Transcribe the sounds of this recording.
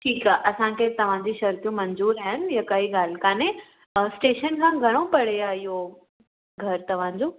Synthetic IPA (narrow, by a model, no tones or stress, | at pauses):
ʈʰiːkaːʔɐsãkʰet̪ɐʋ̤ãd͡ʑiːʃɐɾt̪jũmɐɲzuːɾaːɦɪnɪ̆jãkɐiɡaːl̤kaːnẽ | sʈeːʃənkʰãːɡʱɐɽ̃opɐɽ̤eaːɪɦo | ɡʱɐɾt̪ɐʋ̤ãd͡ʑõː